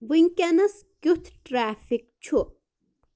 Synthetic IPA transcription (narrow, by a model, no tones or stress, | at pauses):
ʋiŋkʲanɐs | kʲut̪ʰʈɾaːfik̚t͡ʃʰu